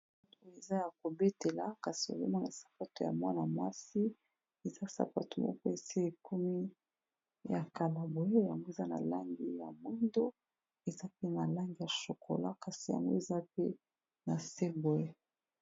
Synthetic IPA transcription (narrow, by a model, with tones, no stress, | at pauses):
m˦to˨e˨za˦ja˨k̚o˨be˦te˨la˨ka˨si˨o̰˨be˦ma˦˨na˨sḁ˨pa˦to˨ja̰˨mwa˦na˨mwa˦si˦ | e˨za˦sa̰˨pa˦to˨mɔ̰˦kɔ˦e˨si˦e˨ku˦mi˦ | ja˨ka˨la˨bo˨e˦ja˨ŋɡo˦e˨za˦na̰˨la˦ŋɡi˨ja̰˨mwi˦ndo˦ | e˨za˦pe˦na˨la˦ŋɡi˨ja˨ʃo˨kʰo̰˨la˦ka˨si˨ja̰˨ŋɡo̰˦e˨za˦pe˦ | na˨se˦bo˨e˦˨